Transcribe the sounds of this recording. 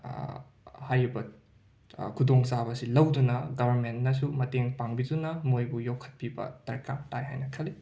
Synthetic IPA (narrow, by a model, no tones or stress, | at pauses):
hajɾibɐ | kʰudoŋsabɐsilɐwdunɐɡɐbʱɐɾmentnɐsumɐteŋpaŋbidunɐmojbujowkʰɐ̥t̚pibɐ̰d̥ɐɾkamtajɦa̰jnɐkʰɐli